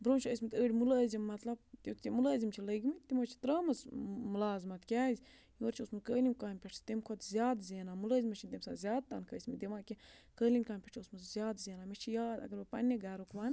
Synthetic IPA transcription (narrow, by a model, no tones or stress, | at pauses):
bɾoːnt͡ʃʰəsʲmit̪əːɖʲimuləːzʲimːɐt̪lɐb̚t̪ʲot̪t̪ʲimuləːzʲimt͡ʃʰiləɡʲmit̪imɐt͡ʃʰi̥t̪ɾəːmɐsmulaːzmɐt̪kʲæːzʲ | joːɾt͡ʃʰiosmuzkəːlʲimkaːmʲpʲeʈʰst̪emkʰot̪zʲjaːd̪zʲeːnamuləːzʲimɐt͡ʃʰint̪emsa̰zʲjaːd̪̚t̪ɐnkʰəːsʲmid̪ʲemaːkʲikəːlʲinkaːnʲpʲeʈʰosmuzzʲjaːd̪zʲeːnaːmʲet͡ʃʰijaːd̪ɐ̰ɡɐɾbɐpɐ̰nʲːeɡaːɾokʋaːn